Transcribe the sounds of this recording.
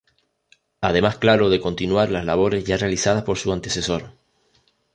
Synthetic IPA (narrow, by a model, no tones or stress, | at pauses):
að̞e̞masklaɾo̞ðe̞ko̞nt̪inwaɾlazlaβ̞o̞ɾe̞zʝare̞alisað̞aspo̞ɾsuant̪e̞se̞so̞ɾ